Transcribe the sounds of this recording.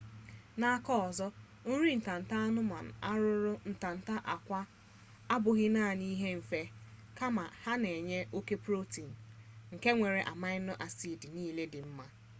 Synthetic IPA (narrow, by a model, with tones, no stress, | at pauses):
na˨a˦kɔ˦ɔ˨zɔ˦ | n̩˦ɾi˦n̩˨ta˨n̩˨ta˦a˦nʊ˦ma̰˨n̩˨a˦ɾʊ˦ɾʊ˦n̩˨ta˨n̩˨ta˦ʔa˨kʷa˦ | a˦bʊ˨ɣɪ˦naː˦˨ni˦ɦe˦m̩˨fe˦ | ka˦ma˨ha˦ne˨ɲe˦ʔo˦ke˦pɾo˦ti˨n̩˨ŋ̩˨ke˦ŋʷe˨ɾe˨ʔa̰˨ma˦ɪ˦nʊ˦ʔa˨si˦˨di˨niː˦le˦dɪ˨m̩˦ma˦